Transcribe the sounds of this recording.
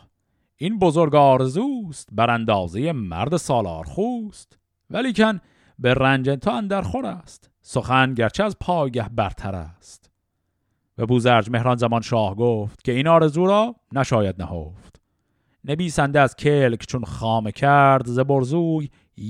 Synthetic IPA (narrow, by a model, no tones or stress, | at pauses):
ʔinbozo̞ɾɡɒːɾe̞zuːst̪bæɾænd̪ɒːzeje̞mæ̰ɾd̪esɒːlɒ̰ːɾχuːst̪ | væliːcʰæn | berænd͡ʒent̪ʰoænd̪æɾχoɾæst̪ | so̞xænɟæɾt͡ʃʰeæzpʰɒːjɡæhbæɾt̪ʰæɾæ̰st̪ | væbuːzæɾd͡ʒme̞hɾɒːnzæmɒnʃɒːhɡoːft̪cʰe̞inɒːɾe̞zuːɾɒːnæʃɒːjæd̪̚næho̰ːft̪ | ne̞viːsænd̪eæzcʰelkt͡ʃʰonχɑːmecʰæɾd̪zeboɾzuːj